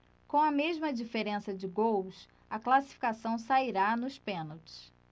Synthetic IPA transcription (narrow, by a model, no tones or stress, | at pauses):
kõw̃ɐmeʒmɐd͡ʒifeɾẽsɐd͡ʒɪɡows | ɐklasi̥fi̥kasɐ̃w̃saiɾanʊspẽnowt͡ʃɪ̥s